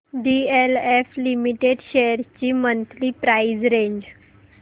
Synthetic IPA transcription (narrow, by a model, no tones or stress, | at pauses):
ɖieleflimiʈeɖɕejəɾt͡ɕiːmənt̪liːpɾaid͡zɾeɲd͡ʑ